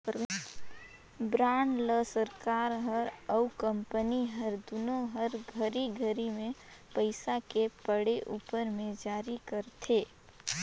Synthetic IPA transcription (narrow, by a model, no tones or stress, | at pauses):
bɾaːɳɖləsəɾkaːɾɦəɾɔʊkə̃mpəniɦəɾd̪ʊnoɦəɾɡʱəɾiɡʱəɾimẽpəɪsakepəɽeʔuːpəɾmẽd͡ʒaːɾikəɾt̪ʰeː